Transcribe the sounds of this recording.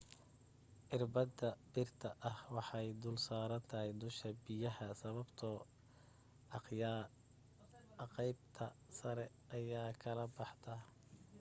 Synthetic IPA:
ʔɪrbɐd̪ɐbɪrt̪ʰɐʔɐhwɑħɑjd̪ʊːlsaːɾɐnt̪ʰɐɦɛjd̪ʊʃkʰɐbɪjɐhɐsɐβɐbt̪ʰɔ | j | qɛjbt̪ʰɐ | sɐɾɛ | ɐjaːkʰɐlɐbɑħt̪ʰɐ

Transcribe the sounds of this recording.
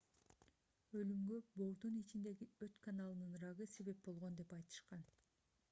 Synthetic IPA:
ø̞lymɡøbo̞ɾd̪unit͡ʃind̪e̞ɡiøt̪kanɑlˠɯnɯnɾɑʁɯse̞βe̞p̚bo̞lˠʁo̞nd̪e̞pɑjt̪ɯ̥ʃqɑn

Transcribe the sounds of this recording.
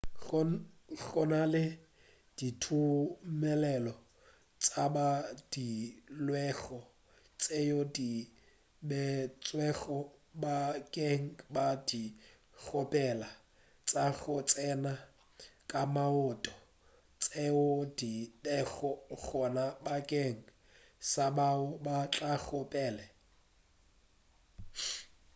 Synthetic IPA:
ɣɔnalɪ | d̥itʰumɛlɛlɔ | t͡sʼabad̥ilwɛɣɔ | t͡sʼejodi | bɛt͡sʼwɛɣɔbakʼeŋ̩badi | ɣʊpʼɛla | t͡sʼaɣʊt͡sʼɛna | kʼamaʊːtʼɔ | t͡sʼeʊdidɛɣɔɣɔnabakʼeŋ̩ | sabaʊbat͡ɬʼaɣʊpʼɛːlɛ

